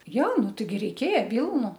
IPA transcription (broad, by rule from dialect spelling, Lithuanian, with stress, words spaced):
ˈjoː ˈnʊ ˈtɐɪɡʲɪ ˈrʲɛɪkʲeːjɛ ˈʋʲiːlˠnʊ